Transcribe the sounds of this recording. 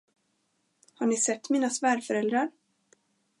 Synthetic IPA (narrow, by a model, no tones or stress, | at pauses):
haɳɪsɛt̪ːmiːnasvæːɾfœɾɛld̪ɾaɾ